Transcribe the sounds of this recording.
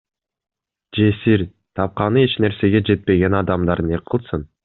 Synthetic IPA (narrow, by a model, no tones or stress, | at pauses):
d͡ʒe̞siɾ | t̪ʰɑp̚qɑnɯe̞t͡ʃne̞ɾse̞ɡe̞d͡ʒe̞t̪̚pe̞ɡe̞nɑd̪ɑmd̪ɑɾneqʰːɯlˠsɯn